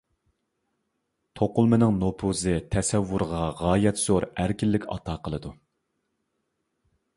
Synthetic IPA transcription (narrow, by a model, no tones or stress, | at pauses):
t̪ʰoqʊlˠmɨnɨŋnopʰuzɨt̪ʰɛsɛwːuɾʁɑʁɑːjɛt̪z̥oɾæɾkʲilːɪkʲɑ̰t̪ʰɑːqəlˠɨd̪u